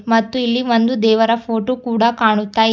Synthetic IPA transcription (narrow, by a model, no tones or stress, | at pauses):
mɐt̪ːuilːiʋond̪ud̪ɛːʋɐɾɐpʰoːʈoːkuːɽɐkaːɳut̪ːaː